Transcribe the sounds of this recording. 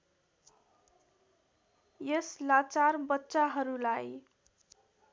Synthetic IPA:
jeslat͡sarbʌtːsaɦʌɾulaj

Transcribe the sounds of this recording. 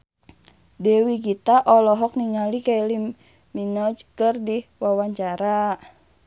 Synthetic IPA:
dɛwiɡit̪aʔɔlɔɦɔk̚niŋalikailim | minɔd͡ʒkərdiwawaɲt͡ʃaɾa

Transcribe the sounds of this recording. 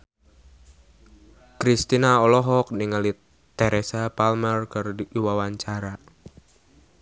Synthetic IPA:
kɾist̪inaɔlɔɦɔk̚niŋali | t̪eɾesapalmərkɨrdiwawaɲt͡ʃaɾa

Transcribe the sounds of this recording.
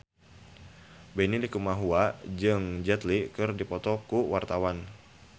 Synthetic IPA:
bɛnilikumaɦuad͡ʒɨŋd͡ʒɛt̪likɨrdipɔt̪ɔkuwart̪awan

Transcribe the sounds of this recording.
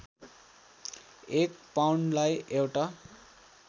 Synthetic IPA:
ekpawɳlajewʈa

